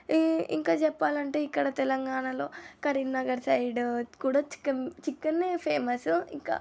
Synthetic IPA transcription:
ḭŋkaːt͡ʃɛpːaːlɐɳʈe̞ːikːɐɽɐt̪ɛlɐŋɡaːɳɐlo̞ːkɐɾilnɐɡɐɾsɐjɖkuːɽaːt͡ʃi̥kːɐt͡ʃikːɐnːepʰeːmɐsiŋka̰ː

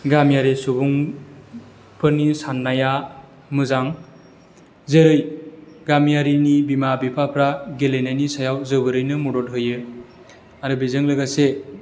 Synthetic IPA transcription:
ɡamjaɾisubuŋ | pʰɯnisanːaja | mɯzaŋ | zeɾɯjɡamjaɾinibimabipʰapʰɾaɡelenajnisajawzɯbɯɾɯjnɯmudɔt̚ɦɯjɯ | aɾɯbizɯŋlɯɡase

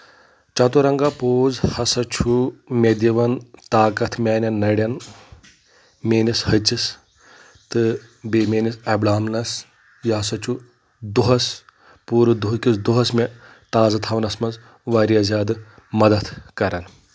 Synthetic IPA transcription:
t͡ʃɐt̪uɾɐŋɡaːpoːzhɐsɐt͡ʃʰumʲed̪ʲiʋɐnt̪aːkɐt̪ʰmʲaːnʲɐnnːɐɽʲɐn | mʲeːnishɐt͡ʃis | t̪ɨ | beːmʲeːnisɐblaːmnɐs | jɐɦɐsɐt͡ʃʰu | d̪uɦɐs | puːɾɨd̪uɦkʲisd̪uɦɐsmʲe | t̪aːzɐt̪ʰɐʋnɐsmɐnz | ʋɐɾijɐzʲaːd̪ɨ | mɐd̪ɐt̪kɐɾɐn

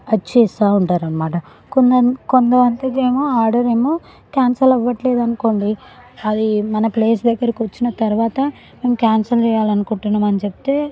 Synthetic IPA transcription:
ɐt͡ʃeːsaːuɳʈaːɾɐnmːaːʈɐ | kond̪kond̪ɐʋɐnt̪ɐke̞ːmoːaːɾɖɐɾe̞ːmoː | kaːnsɐlɐʋːɐʈle̞ːd̪ɐnuko̞ːɳɖi | ɐd̪imɐnɐpleːsd̪ɐɡːɐɾɐkiʋɐt͡ʃːinɐt̪ɐɾuʋaːt̪ɐ | me̞ːmukʲaːnsɐlt͡ʃɛjaːlɐnukuɳʈunːaːmɐnit͡ʃepi̥t̪e̞ː

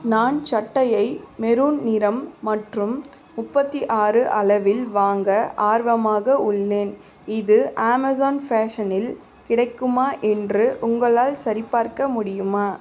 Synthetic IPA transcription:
naːnt͡ʃɐʈːɐjɐɪmɛɾuːnnɪɾɐmːɐʈrɯm | mʊpːɐt̪ːiʔaːrɯʔɐlɐʋɪlʋaːŋɡɐʔaːɾʋɐmaːɣɐʊɭːeːn | ɪðɯʔaːmɐzaːnfaːʂɐnɪl | kɪɽɐɪkːɯmaːʔɛndrɯʔʊŋɡɐɭaːlsɐɾɪpːaːɾkɐmʊɽɪjɯmaː

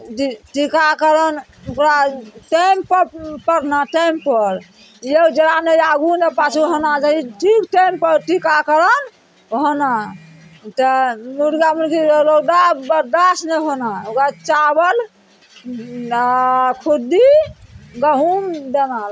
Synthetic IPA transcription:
ʈikakəɾən | okɾaʈemppəɾnaʈempəɾ | jed͡ʒəɾanejaɡunepat͡ʃʰuɦonad͡ʒaiʈʰikʈejmpəɾʈikakəɾən | ɦona | t̪ənuɾɡamənkiloɡɖabəd̪asneɦonaokat͡ʃabəl | kʰud̪i | ɡəɦumd̪enal

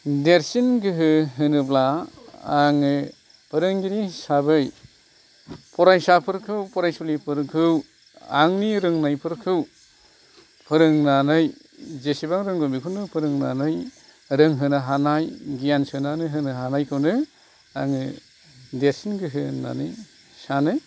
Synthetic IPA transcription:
deɾsinɡɯɦɯɦɯnɯblaː | ŋɯ | pʰɯɾɯŋɡiɾisabɯj | pʰɔɾajsapʰɯɾkʰɯwpʰɔɾajsulipʰɯɾkʰɯw | a̰ŋniɾɯŋnajpʰɯɾkʰɯw | pʰɯɾɯŋnanɯj | zesibaŋɾɯŋɡɔmikʰɯwnɯpʰɯɾɯŋna̰nɯj | ɾɯŋɦɯnɯɦanajɡijansɯnanɯɦɯnɯɦanajkʰɯwnɯ | a̰ŋɯ | desinɡɯɦɯna̰nɯj | sanɯ

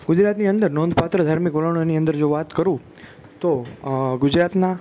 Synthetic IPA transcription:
ɡ̥ʊd͡ʒɾat̪niənd̪əɾnond̪pat̪ɾəd̪ʱaɾmikʋələɳ̃oniənd̪əɾd͡ʒoʋat̪kəɾũ | t̪oɡʊd͡ʒɾat̪na

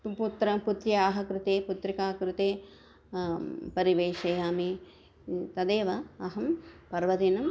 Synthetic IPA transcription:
put̪ɾɐput̪ɾjɐaːɦɐkɾɪt̪eːput̪ɾikaːkɾɪt̪eː | pɐɾiʋeːʃeːjaːmi | t̪ɐd̪eːʋɐɐɦɐmpɐɾʋɐd̪inɐm

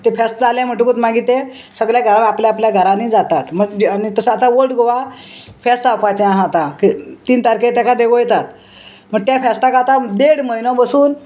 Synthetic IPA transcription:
t̪efɛst̪d͡zalẽm̤əʈukut̪maɡiːt̪e | səɡɭjaɡʱəɾalapljaːpljaɡʱəɾaniːd͡zat̪at̪m̤əɡd͡ʑanit̪əsaːt̪aʋəɖɡʱoʋa | fɛst̪apat͡ɕeãɦãt̪akit̪iːnt̪aɾket̪akad̪eʋojet̪at̪ | m̤əɡ̚t̪jafɛst̪akat̪ad̪eɽməinɔbəsuːn

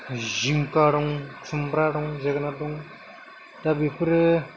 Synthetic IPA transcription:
ziŋkaɾɔŋsumbɾaɽɔŋzeɡnadɔŋ | dabipɾɯ

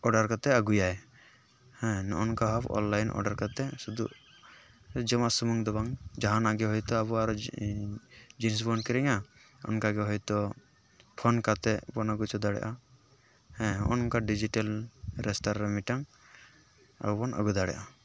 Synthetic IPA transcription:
ɔɖaɾkat̪ɛəɡujaj | hɛ̃nɔ̰ʔɔnkaɦɔpʰɔ̰nlajnʔɔ̰ɖaɾkat̪ɛsud̪ṵ | d͡ʒəmasumuŋd̪ɔβaŋd͡ʒaɦanaɡɛɦɔjt̪ɔaβɔaɾɔ | d͡ʒins̬bɔnkɛɾɛŋa | ɔ̰nkaɡɛɦɔjt̪ɔ | pʰɔnkat̪ɛbɔnaɡut͡ʃɔd̪aɽɛ̰ʔa | hɛ̃ɔʔɔnkaɖid͡ʒiʈalɾɛstaɾɾamiʈaŋ | a̰bɔbɔnə̰ɡud̪aɽɛ̰ʔa

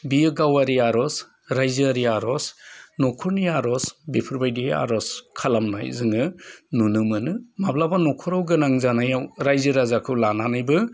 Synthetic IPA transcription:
biɯɡawaɾiaɾɔs | ɾajzɯɾiaɾɔsnɔkʰɔɾniaɾɔsbipʰɯɾbajdia̰ɾɔskʰalamna̰jzɯŋɯnunɯmɯnɯmablabanɔkʰɔɾawɡɯnaŋzanajawɾajzɯɾazakʰɯlananajbɯ

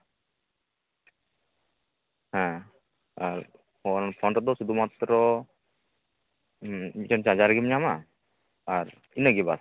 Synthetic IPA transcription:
hɛ̃ | aɾ | ɔnpʰɔɳʈɔd̪ɔsud̪umat̪ɾɔ | mit͡ʃɔnt͡ʃaad͡ʒaɾɡimɲama | aɾ | inəɡiba̰s

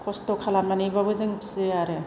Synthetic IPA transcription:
kʰɔstokʰalamanebabɯzɯŋpʰsɯaɾɯ

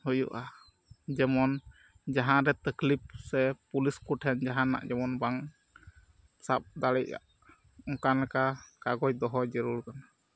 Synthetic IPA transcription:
hujṵʔa | d͡ʒɛmɔn | d͡ʒaɦãɾɛt̪əklip̚sɛpuliskuʈʰɛnd͡ʒaɦanːa̰ʔd͡ʒɛmɔnbaŋ | sap̚d̪aɽɛʔ̚a̰ʔ | ɔŋkanlɛkakaɡɔjd̪ɔɦɔd͡ʒəɾuɾkana

